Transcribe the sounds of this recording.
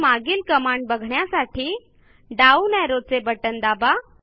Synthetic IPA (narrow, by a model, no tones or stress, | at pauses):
maɡiːlkəmaɳɖ̚bəɡʱɳjasaʈʰiː | ɖaunɛɾot͡sebəʈənd̪aba